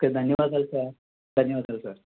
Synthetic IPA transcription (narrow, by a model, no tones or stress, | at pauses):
kəd̪ʱənjəʋad̪alsaɾ | d̪ʱənjəʋad̪alsaɾ